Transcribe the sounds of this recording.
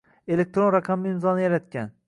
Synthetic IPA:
e̞lek̚ʲt̪ɾo̞nɾaqʰɑmːɪmzɒnɪjaɾat̪kʲʰan

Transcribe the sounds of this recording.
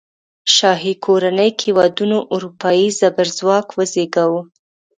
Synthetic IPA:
ʃɑɦikʰoɾanəjkewɑd̪unoʔuɾupɑjizabaɾzwɑkwəzeɡawu

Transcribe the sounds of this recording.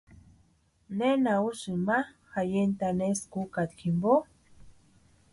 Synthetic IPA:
nenausɨma | xajent̪aneskukat̪kʰimbo

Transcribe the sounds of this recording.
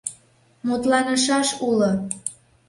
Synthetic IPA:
mut̪lɑnə̆ʃɑʃulo

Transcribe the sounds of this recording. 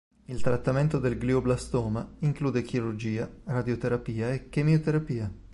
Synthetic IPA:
ilt̪ɾat̪ːament̪od̪elɡlioblast̪ɔːmaiŋkluːd̪ek̟iɾurd͡ʒiːarad̪jot̪eɾapiːaek̟ːemiot̪eɾapiːa

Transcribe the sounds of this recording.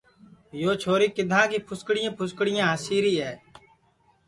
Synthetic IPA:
joːt͡ʃʰoːɾiːkɪd̪ʱãːkiːpʰʊskɽɪjãːpʰʊskɽɪjãːɦəsiːɾiːɦɛː

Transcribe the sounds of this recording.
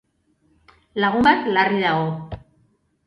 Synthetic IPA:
laɣ̞umbat̪lariðaɣo̞

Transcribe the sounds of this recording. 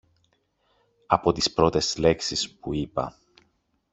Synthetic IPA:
ɐpo̞t̪ispɾo̞t̪e̞sle̞ksispuipɐ̰

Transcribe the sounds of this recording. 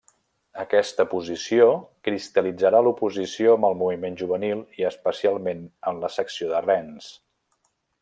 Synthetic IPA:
əkɛst̪əpuzisiokɾist̪əlid͡zəɾalupuzisioəmbəlˠmuβimenʒuβ̞ənilˠiəspəsialˠmenəmləsəksioðərɛns

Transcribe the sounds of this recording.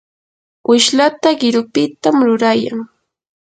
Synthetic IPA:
ɪʃlat̪aɢɪɾʊpɪt̪amɾʊɾajaŋ

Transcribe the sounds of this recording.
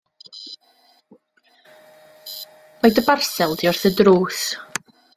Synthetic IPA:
majdəbarsɛlˠdiɔrθədruːθ

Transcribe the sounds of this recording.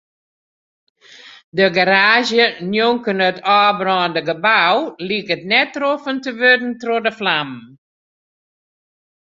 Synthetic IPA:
dəɡaɾaːzjənjoŋkənətʰɔːbrɔːndəɡəbawliəkətnɛtːrofəntəʋødn̩trodəflam

